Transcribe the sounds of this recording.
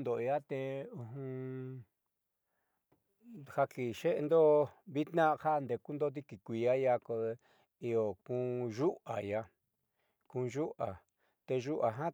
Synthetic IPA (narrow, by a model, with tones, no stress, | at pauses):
nd̪o˨ja˦t̪e˧ũ˧ɦũ˧ | ha˧ki˨ʃe˦ʔe˧nd̪o˦βi˦t̪nã˦ha˦˧nd̪e˧ku˦nd̪o˦t̪i˦ki˨kʷi˧˨a˦ja˧ko˧ | i˧o˨kũ˧ʒu˦a˨ja˧ | kũ˧ʒu˦ʔa˨ | t̪e˧ʒu˦ʔa˨ɦã˦